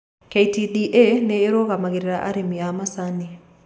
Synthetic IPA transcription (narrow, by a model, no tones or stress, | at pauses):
keitidiʔeneːɾoɣamaɣeɾeɾaʔa̰ɾemiamasani